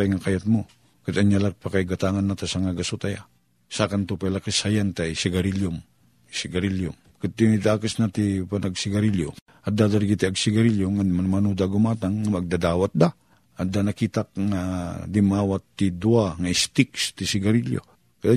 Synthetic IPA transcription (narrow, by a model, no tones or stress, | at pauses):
ajŋakajat̪̚mo | kat̪aɲjalak̚pakajɡat̪aŋanːat̪asaŋaɡasut̪aja | sakant̪upalakɪsajant̪ajsɪɡɐɾiljʊm | sɪɡɐɾiljʊm | kat̪t̪ːɪd̪akɪsnat̪ɪpanʔaɡsɪɡaɾiljo̰ | ɐd̪ad̪aɾɡit̪iaɡsɪɡɐɾiljoŋamanmanud̪aɡʊmaːt̪aŋːamɐɡ̚d̪ad̪aːwat̪̚d̪a | ɐt̪̚d̪anɐkiːt̪ak̚ŋad̪ɪmaːwat̪ːid̪uaŋaɪst̪ɪkst̪ɪsɪɡaɾiljo̰ | ka